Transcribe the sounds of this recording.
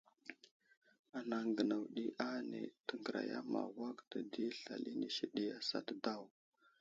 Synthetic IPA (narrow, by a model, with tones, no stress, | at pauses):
a˨na˨ŋɡə˨na˨wɗi˦ʔa˦nḛ˨tə˨ŋɡə˨ɾa̰˨ja̰˦ma̰˨wa˦kdə˨di˦ɬa˨li˦ni˨ʃi˦ɗi˦a˦sa̰˦tda˦˨w